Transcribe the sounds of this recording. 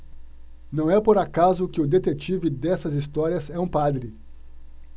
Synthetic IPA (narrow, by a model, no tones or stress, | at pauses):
nɐ̃w̃ɛpoɾakazʊkɪʊd̪et̪et͡ʃivɪd̪ɛsɐzist̪ɔɾiɐzɛũpad̪ɾɪ